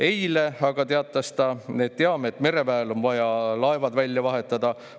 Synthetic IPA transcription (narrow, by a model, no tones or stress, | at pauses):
e̞jle̞ɑɡ̥ɑt̪e̞ɑt̪ˑːɑst̪ɑne̞ːd̪̥̚t̪e̞ɑmeet̪ːˑme̞ɾe̞pæelo̞nvɑjɑlɑe̞vɑd̪vælʲːjɑvɑɦe̞t̪ːˑɑd̪̥ɑ